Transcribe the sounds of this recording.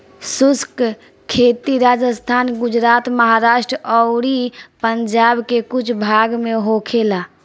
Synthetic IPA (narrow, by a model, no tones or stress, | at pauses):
susk | kʰet̪iɾad͡ʒəst̪ʰanɡud͡ʒɾat̪məɦaɾaʃʈɾɔʊɾipəɲd͡ʒabkekut͡ʃʰbʱaɡmeɦokʰela